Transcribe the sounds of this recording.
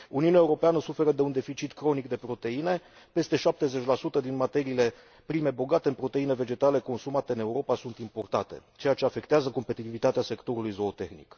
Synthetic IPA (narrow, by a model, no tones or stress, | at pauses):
uniunʲaeuɾo̞peanəsufe̞ɾəd̪e̞und̪efit͡ʃit̪kɾo̞nikd̪e̞pɾo̞t̪e̞ine̞ | pe̞st̪e̞ʃap̚t̪e̞ze̞t͡ʃʲlasut̪əd̪inmat̪e̞ɾiːle̞ | pɾime̞bo̞ɡat̪e̞ɨnpɾo̞t̪eine̞ve̞d͡ʒe̞t̪ale̞ko̞nsumat̪e̞ɨne̞uɾo̞pasunt̪impo̞rt̪at̪e̞̰t͡ʃe̞jat͡ʃe̞afe̞kt̪eazəko̞mpe̞t̪it̪ivit̪at̪ease̞kt̪o̞ɾulujzo̞ːt̪e̞xnḭk